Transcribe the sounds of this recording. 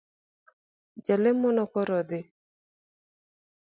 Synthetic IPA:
d͡ʒalɛmɔnɔkɔɾɔd̪ɪ

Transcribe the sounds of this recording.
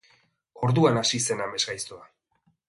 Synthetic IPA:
o̞ɾðuanasise̞name̞zɣajst̪oa

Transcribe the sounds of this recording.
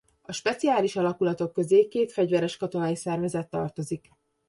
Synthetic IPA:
ɒʃpɛt̪siaːliʃɒlɒkulɒt̪o̞kːø̞zeːkeːt̪fɛɟvɛɾɛʃkɒt̪o̞nɒjisɛrvɛzɛt̪ːɒ̰rt̪o̞zik

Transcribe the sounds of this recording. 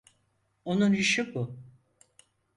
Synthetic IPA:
onuniʃɯbʊ

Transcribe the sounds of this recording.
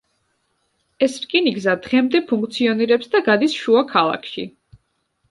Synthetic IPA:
ɛsɾkʼiniɡzad̪ʁɛmd̪ɛpʰuŋk̚ʰʼt̪sʰiɔniɾɛpsd̪aɡad̪isʃuakʰalˠa̰kʰʃḭ

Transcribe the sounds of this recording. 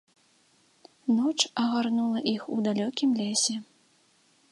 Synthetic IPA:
nɔt͡ʂɐɣarnulˠɐʔixud̪alʲɔkʲimlʲesʲɛ

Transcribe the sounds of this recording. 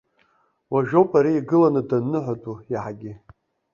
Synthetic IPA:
waʒᶣowpʰʼaɾiiɡɨlanɨdanːɨħʷatʼuiħaɡʲɪ

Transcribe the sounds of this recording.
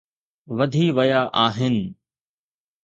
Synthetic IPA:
ʋɐd̪ʱiːʋɐjaːʔaːɦɪnɪ̆

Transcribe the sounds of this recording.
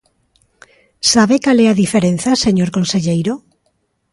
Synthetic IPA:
saβekalɛaðifeɾẽn̟θaseɲoɾkõnseʎejɾo

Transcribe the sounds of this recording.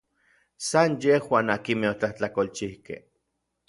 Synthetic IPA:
sanjehwaːnakimeot͡ɬaht͡ɬakolt͡ʃihkḛh

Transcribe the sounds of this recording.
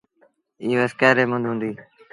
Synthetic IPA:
iːeskɛːɾeːmə̃nd̪ɦũːnd̪iː

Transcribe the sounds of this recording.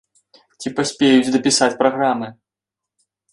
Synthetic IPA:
t͡sʲipasʲpʲejut͡sʲd̪ɐpʲisat͡sʲpɾaɣɾamɨ

